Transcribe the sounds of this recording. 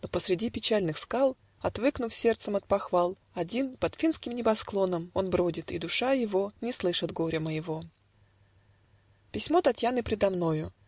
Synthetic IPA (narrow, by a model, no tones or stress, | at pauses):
nopəsɾʲɪdʲipʲɪt͡ɕælʲnɨxskalˠ | ɐt̪vɨknʊfsʲe̞rt̪səmɐt̪̚pɐxvalˠ | ɐdʲinpɐt̪fʲinskʲɪmnʲɪbɐsklˠo̞nəmo̞nbɾodʲɪt̪ḭd̪ʊʂajɪvo̞nʲɪslˠɨʂɨd̪ɡo̞ɾʲəməjɪvo̞ | pʲɪsʲmo̞t̪ɐtʲjanɨpʲɾʲɪd̪ɐmno̞jʊ